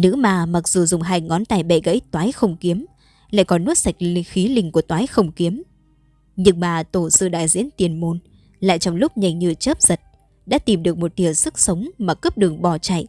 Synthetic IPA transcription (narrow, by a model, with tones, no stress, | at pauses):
nɨ̰˧˥maː˨˩ma˨˩k̚z̥u˨˩zʊ˨˩ŋ͡mɦaː˧jŋɔ˨˦nt̪aː˨˩jɓɛ̰˧˩ɣə̰˧˥jt̪waː˨˦jxə˧wŋ͡mki˨˦əm | la̰ː˧˨jkɔ˨˦nːu˦˥t̚sa˨˩jk̚lŋxi˨˦lï˧ŋ̟ku˧˩ət̪waː˨˦jxə˧wŋ͡mki˨˦əm | ɲɨ˨˧˩ŋ̚ɓaː˨˩t̪o˧˩sɨ̰˧ɗa̰ː˧˨jzḭ˧˥ənt̪i˨˩ənmo˧n | la̰ː˧˨jt͡ɕɔ˧wŋ͡mlʊ˦˥k͡p̚ɲa˨˧˩jŋ̟ɲɨ˧t͡ɕəː˦˥p̚z̥ə˨˩t̚ | ɗa̰ː˧˥t̪i˨˩mɗɨ˨˩ək̚mo˨˩t̚ɗi˨˩əsɨ˦˥k̚sə˨˦wŋ͡mmaː˨˩kəː˦˥p̚ɗɨ˨˩əŋɓɔ˨˩t͡ɕa̰˧˨jʔ